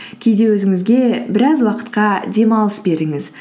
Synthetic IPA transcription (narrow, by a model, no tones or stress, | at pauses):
kʲʰe̞jd̪e̞wɵzɪŋɪzɡʲe̞bɪɾɑzwɑqə̥t̪qɑd̪e̞mɑlˠəsbe̞ɾɪŋɪz